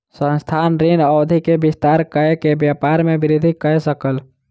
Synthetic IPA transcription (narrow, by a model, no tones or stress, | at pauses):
sə̃nst̪ʰaːnɾinɔːd̪ʱikebist̪aɾkəekebjapaɾmebɪɾid̪ʱikəɛsəkəl